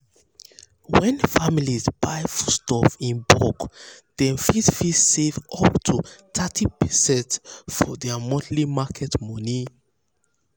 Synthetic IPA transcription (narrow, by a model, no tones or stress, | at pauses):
wɛ̃nfamilizb̥ajfu̥stɔfĩnbɔkð̥ɛ̃fitfissevɔptʰutʰatʰipʰɛsɛ̃ntfɔdɛmɔdlimakʰɛtmɔni